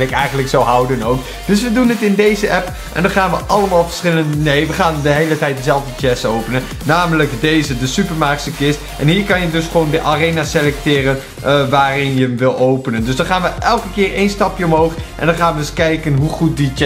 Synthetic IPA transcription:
ɪkɛjχənləksowɦɑwdənowk | d̥ɵs̬ʋədunətɪndejzəʔɛp | ʔɛ̰ndɑnχaːnʋəʔɑləmaːlˠvəɹsχɪləndənejʋəχaːndəɦejlətɛjt̚dəzɛlˠvdət͡ʃɛstowpənən | naːmələkdejzədəsypəɹmaːɹksəkɪst | ʔɛ̰nɦiːɹkɑnjədɵsχəʋowndəʔarejnaselɛk̚tɪːrən | ʋaːrɪnjəəmʋɪlˠowpənəndøsdɑnχaːnʋəʔɛlˠkəkɪːrejnstɑpjəɔmɦowχʔɛ̰ndɑnχaːnʋədɵskɛjkənɦuχut̚dit͡ʃ

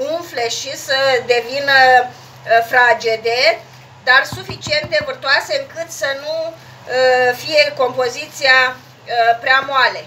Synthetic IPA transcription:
uɱfle̞ʃisəd̪e̞vinə | fɾad͡ʒed̪e̞ | d̪arsufit͡ʃie̞nt̪̚d̪e̞vɨrt̪oase̞ɨŋkɨt̪sənu | əfije̞ko̞mpo̞zit̪sia | pɾeamoale̞

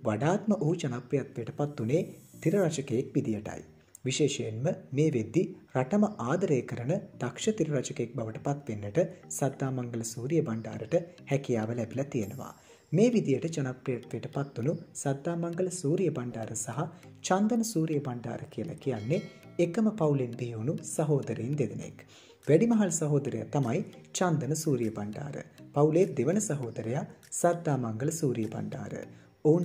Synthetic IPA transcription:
ʋaɖaːt̪məʔoɦut͡ʃɐnaprijat̪ʋejəʈəpat̪ːuneːt̪iɾɐɾat͡ʃɐkejekʋid̪ijəʈa̰j | ʋiʃeːʃejenməmeːʋed̪ːiraʈɐmɐʔaːd̪ɐɾeːkəɾənəd̪̥akʂɐt̪iɾɐɾat͡ʃɐkejek̚baʋəʈə̥pat̪ʋenːəʈəsad̪ːaːmaŋɡələsuːɾijəbaɳɖa̰ːɾəʈəhækijaːʋəlɛbilɐt̪ijenəʋa̰ː | meːʋid̪ijəʈət͡ʃɐnapɾijat̪ʋejəʈəpat̪ːunusɐd̪ːaːmɐŋɡələsuːɾijəbaɳɖaːɾəsɐɦa | t͡ʃand̪ənəsuːɾijəbaɳɖa̰ːɾəkijəla̰kijanːeːkəməpɐwulend̪iɦiunusɐɦoːd̪ɐɾejind̪eʋenḛk | ʋæɖimɐɦɐlɐsɐɦoːd̪əɾḛja̰t̪ɐmajt͡ʃand̪ənəsuːɾijəbaɳɖa̰ːɾə̰pɐwuled̪eʋənəsɐɦoːd̪ɐɾejasɐd̪ːaːmaŋɡələsuːɾijəba̰ɳɖa̰ːɾə̰ | oun

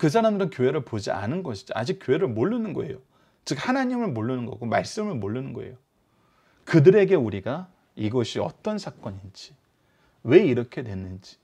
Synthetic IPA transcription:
kɯs̬ʰaɾamdɯɾɯnkjoɦe̞ɾɯɭpod͡ʑia̰nɯnɡʌɕʰi̥d͡ʑia̰d͡ʑik͈joɦe̞ɾɯɭmoɭːɯnɯnɡʌe̞̰jo | t͡ɕɯk̚hanaɲimɯɭmoɭːɯnɯnɡʌɡoma̰ɭs͈ɯmɯɭmoɭːɯnɯnɡʌḛjo | kɯdɯɾe̞ɡe̞uɾiɡa | iɡʌɕʰiʌ̰t͈ʌnsʰak͈ʌɲind͡ʑi | we̞iɾʌkʰe̞dwe̞nːɯnd͡ʑi̥

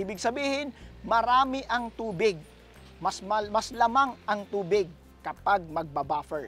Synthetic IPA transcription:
iːbɪɡ̚sɐbiːhɪnmɐɾaːmɪʔɐŋt̪uːbɪɡ̚ | mɐsmɐmɐslɐmaŋɐŋt̪uːbɪɡ̚ | kɐpaɡ̚mɐɡ̚bɐbaːfɛɹ

